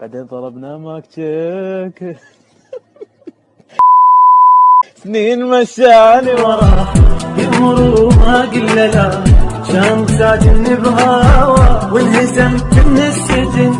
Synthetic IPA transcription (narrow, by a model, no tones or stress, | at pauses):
b̥aʕd̪eːnt̪ˤɑlɑbnaːmaːkt͡ʃak | θneːnmaʃaliwɑɾˤɑːjɪmʊɾumaːɡɪlːalaʃaːnsaːd͡ʒɪnːɪbɦawawɪnhɪsamɪnnɪsːɪd͡ʒɪn